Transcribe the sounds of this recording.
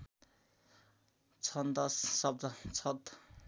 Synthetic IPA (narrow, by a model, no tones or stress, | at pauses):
t͡sʰʌnd̪ʌsːʌb̚d̪ʌt͡sʰʌt̪